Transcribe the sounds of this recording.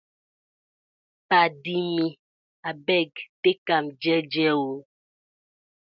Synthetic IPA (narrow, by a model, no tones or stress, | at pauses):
padimi | abɛɡtekamd͡ʒɛd͡ʒɛwo